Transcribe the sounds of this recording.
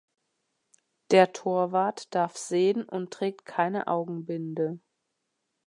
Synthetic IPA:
d̥eːɐtʰoːɐvaːɐtd̥aɐfz̥eːənʔʊntʁ̥ɛːk̚tkʰaɪnə̰ʔa̰ʊɡŋ̩bɪndə

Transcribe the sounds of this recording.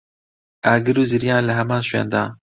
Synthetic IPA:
aːɡɨɾuːziɾijãːnlɨɦɛmãːnʃwḛːnd̪ɑːn

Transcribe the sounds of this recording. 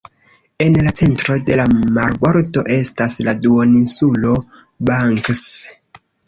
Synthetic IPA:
e̞nlat͡se̞ntɾo̞de̞lamaɾɡwaɾto̞ʔe̞stasladuoninsulo̞ | baŋks

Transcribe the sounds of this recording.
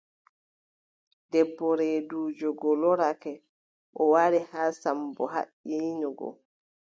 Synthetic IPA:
dɛbːɔɾɛduːd͡ʒɔɡɔlɔɾakɛ | ʔɔwaɾihaːsambɔɦa̰ʔiːnɔɡɔ̰

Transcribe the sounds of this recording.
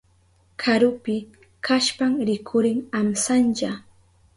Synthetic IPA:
kʰaɾʊpɪ | kʰaʃpaŋɾɪkʰʊɾɪŋamsant͡ʃa

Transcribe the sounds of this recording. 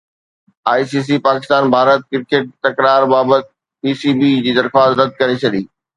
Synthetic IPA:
aːis̬iːs̬ipaːkɪst̪aːnbʱaːɾət̪̚kɪɾkeːʈ̚t̪ɐkɾaːɾbaːbət̪̚ | piːsiːbid͡ʑiːd̪ɐɾxaːsɾɐd̪̚kɐɾet͡ɕʰɐɗiː

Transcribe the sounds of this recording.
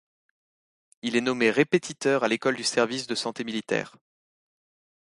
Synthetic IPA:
ilɛnɔmeʁepet̪ʰit̪œʁalekɔld̪ysɛʁvisd̪əsɑ̃t̪emilit̪ɛ̰ːʁ

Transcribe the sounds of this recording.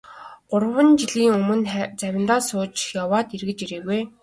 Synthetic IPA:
ɢ̥ʊrwə̆nt͡ɕiɮiːŋɵmɵ̆nt͡sæwʲɪ̆nt̪aːsʊːt͡ɕjawaːt̪irɣɘ̆t͡ɕiɾeːɣuj

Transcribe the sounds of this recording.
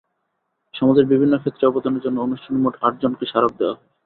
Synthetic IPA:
ʃɔmad͡ʑeɾbibʱinːokʰet̪ːɾeɔpod̪oneɾd͡ʑonːoonuʃʈʰanemoʈaʈ̚d͡ʑonkeʃaɾab̚d̪eoa̰ɦɔe

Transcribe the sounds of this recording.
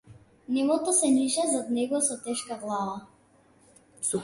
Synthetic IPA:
nɛmɔt̪ɔsɛniʃɛzad̪nɛɡɔsɔt̪ɛʃkaɡlˠava | su

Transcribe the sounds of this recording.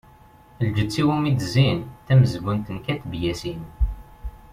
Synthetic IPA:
ld͡ʒət͡sːiwumid̪zinθæməzəɡʷːənt̪ənkæt̪bjæsin

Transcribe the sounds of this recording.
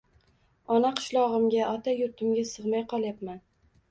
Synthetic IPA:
ɒnaqʰɨ̥ʃlˠɒʁɨmɡʲaʔɒt̪ajʊɾt̪ʰɪmɡʲasɨʁmajqʰɒlˠjap̪man

